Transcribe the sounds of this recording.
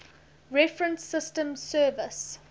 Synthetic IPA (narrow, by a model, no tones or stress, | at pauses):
ɹɛfɹə̃nsɪstə̃msɜːvəs